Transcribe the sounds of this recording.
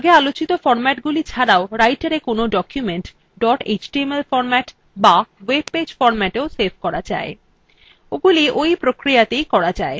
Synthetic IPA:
ɡealot͡ɕit̪ofɔɾmɛʈɡulit͡ɕʰaɾaoɾajʈaɾekonoɖɔkjumeɳʈ | ɖɔʈḛd͡ʑʈiemelfɔɾmɛʈ | bawebped͡ʑfɔɾmɛʈeosebʰʱkɔɾad͡ʑa̰e | oɡuliʔojpɾokɾijat̪ejkɔɾad͡ʑae

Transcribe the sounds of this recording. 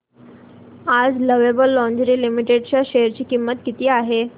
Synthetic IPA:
ad͡zləʋebəlːɔ̃ɲd͡ʑɾiːlimiʈeɖt͡ɕjaɕejəɾt͡ɕiːkimːət̪kit̪iːaɦe

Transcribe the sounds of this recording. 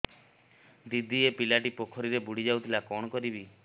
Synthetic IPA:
d̪id̪ʱiepilaʈipokʰɔɾiɾebuɽ̤id͡ʒawt̪ʰilakɔɽ̃ɔkɔɾibi

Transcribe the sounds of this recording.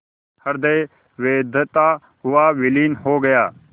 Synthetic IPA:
həɾd̪eː | ʋeːd̪ʱt̪aː | ɦʊaːʋɪliːnɦoːɡəjaː

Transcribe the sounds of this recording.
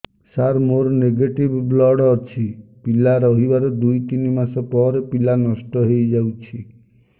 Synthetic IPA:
saɾmoɾɔneɡeʈibblɔɽɔt͡ʃʰipilaɾɔɦibaɾɔd̪ujt̪inimasɔpɔɾepilanɔsʈɔɦejd͡ʒawt͡ʃʰi

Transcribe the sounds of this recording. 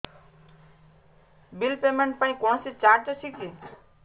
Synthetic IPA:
bilpemeɳʈ̚paĩkɔ̃ɦsit͡saɾt͡sʌsʰiki

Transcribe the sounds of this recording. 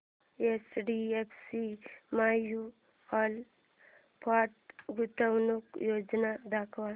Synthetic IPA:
esɖiepʰsimaju | al | pʰaʈɡut̪əwnukjod͡ʒnad̪akʰʋa

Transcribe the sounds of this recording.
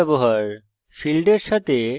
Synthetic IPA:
ɛboɦaɾ | filɖeɾʃat̪e

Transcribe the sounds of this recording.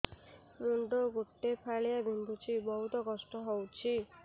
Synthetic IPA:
ɾuɳɖoɡoʈːepʰaɭijabʱuɳɖut͡ʃʰibɔɦut̪ɔkɔsʈɔɦowt͡ʃʰi

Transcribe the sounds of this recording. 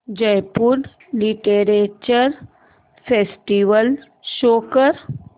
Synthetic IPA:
d͡ʒəjpuɖ | liʈeɾet͡ʃəɾ | pʰeːsʈiʋəl | ʃoːkəɾ

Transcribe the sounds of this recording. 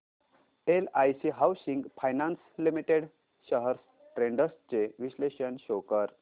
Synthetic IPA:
elajsiɦawsiŋɡfʰajnanslimiʈeɽ | ɕəɦəɾs | ʈɾeɳɖəst͡seʋiɕleɕənɕokəɾ

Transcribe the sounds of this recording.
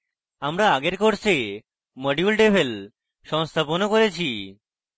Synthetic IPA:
amɾaaɡeɾkoɾse | məɖjulɖebʱel | ʃɔŋst̪ʰaponokoɾet͡ɕʰi

